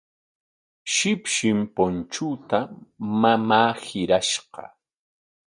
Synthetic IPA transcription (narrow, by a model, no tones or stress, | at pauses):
ʃɪpʃɪmpont͡ʃʊt̪amamaːhɪɾaʃɢɑ̰